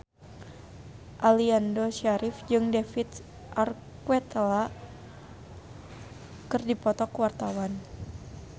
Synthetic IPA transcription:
ʔaliandoʃaɾʔifd͡ʒɨŋdefit̪̚ | ʔar | kwɛt̪la | kɨrdipɔt̪ɔkwart̪awan

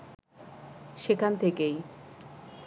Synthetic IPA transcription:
ʃekʰant̪ʰekej

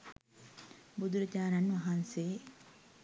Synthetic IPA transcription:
bud̪uɾɐd͡ʒaːɾɐnʋɐɦɐnseː

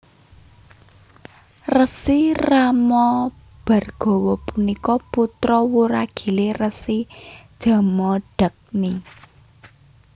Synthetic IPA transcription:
rəsiramɔ | b̥a̤rɡ̥ɔ̤wɔpunikɔput̪ɾɔwuɾaɡ̥i̤lerəsid̥ʒ̥a̤mɔɖ̥ək̚ni

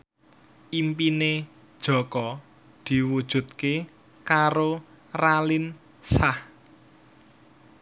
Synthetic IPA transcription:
ʔimpine | d̥ʒ̥ɔ̤kɔ | d̪̥i̤wud̥ʒ̥ṳt̪̚ke | kaɾo | ralɪn | sah

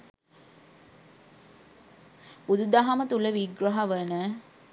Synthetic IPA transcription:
ud̪ud̪aɦɐmət̪uləʋiɡɾɐɦɐʋənə

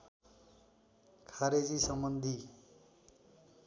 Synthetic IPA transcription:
kʰaɾed͡zisʌmbʌnd̪ʱi

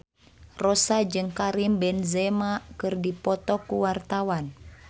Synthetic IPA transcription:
rɔsad͡ʒɨŋkaɾimbɛnzɛmakɨrdipɔt̪ɔkuwart̪awan

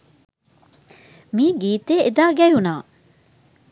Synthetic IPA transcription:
miːɡiːt̪eed̪aːɡɛjunaː

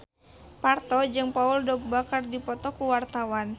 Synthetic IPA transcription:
part̪ɔd͡ʒɨŋpaɔldɔɡ̚bakardipɔt̪ɔkuwart̪awan

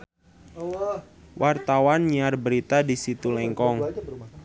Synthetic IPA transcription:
wʔart̪awanɲiarbəɾit̪adisit̪ulɛŋkɔŋ

